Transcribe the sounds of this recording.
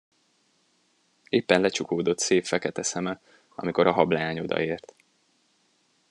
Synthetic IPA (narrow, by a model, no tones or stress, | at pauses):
eːpːɛnlɛt͡ʃukoːd̪o̞t̪seːfːɛkɛt̪ɛsɛmɛ | ɒ̰miko̞ɾɒɦɒblɛaːɲo̞d̪ɒ̰eːrt̪